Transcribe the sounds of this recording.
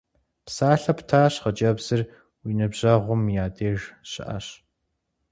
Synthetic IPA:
psaːɬɐptʰaːɕχɐd͡ʒɐbz̥ɨr | winɨbʑɐʁʷʊmjaːdeːʒɕɪ̰ʔɐ̰ɕ

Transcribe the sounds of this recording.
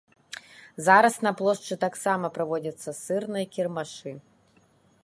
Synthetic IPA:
zaɾɐsnɐplˠɔʂt͡ʂɨt̪aksamɐpɾavɔd͡zʲɐt̪sːɐsɨrnɨjɐkʲirmaʂɨ

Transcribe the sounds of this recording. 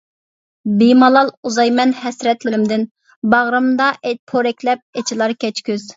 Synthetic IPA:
bimɑlˠɑlˠuzɑjmɛnhɛsɾɛt̪lɪɾɪmd̪ɪn | bɑʁɾɨmd̪ɑʔɛpʰoɾɛkʲlɛp̚ɛt͡ʃʰilˠɑɾkʲʰɛt͡ʃkʲyz̥

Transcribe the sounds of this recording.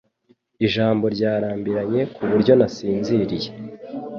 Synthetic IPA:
iʒaːmbo̞ɾɟaːɾaːmbiɾaɲe̞kʰuβuɾɟo̞nasiːnziɾije

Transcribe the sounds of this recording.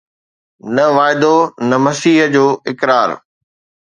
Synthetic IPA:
nɐʋaːɪd̪onɐmɐsiːɦd͡ʑoːʔɪkɾaːɾ

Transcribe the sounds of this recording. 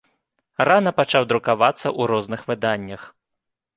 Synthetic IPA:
ranɐpat͡ʂawd̪ɾukavat̪sːɐʔuɾɔznɨxvɨd̪anʲːɐx

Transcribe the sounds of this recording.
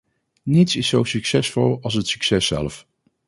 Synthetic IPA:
nitsɪsowsyksɛsfolˠɑlˠsətsyksɛsɛ̰lf

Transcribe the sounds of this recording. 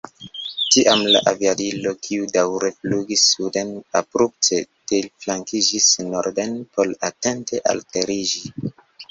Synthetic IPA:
tiʔamla̰ʔaviadilo̞kʰiudawɾe̞fluɡisːude̞napɾup̚tetelflaŋkid͡ʒisnoɾdenpʰo̞late̞nte̞ʔa̰lte̞ɾid͡ʒi

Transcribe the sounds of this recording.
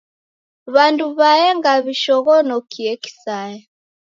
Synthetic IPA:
βanduβajɛŋɡaβiʃɔɣɔnɔkʰiɛki̥sajɛ

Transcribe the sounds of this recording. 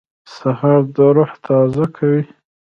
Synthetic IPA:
sahaɾd̪əɾʊht̪ʰɑzakʰawi

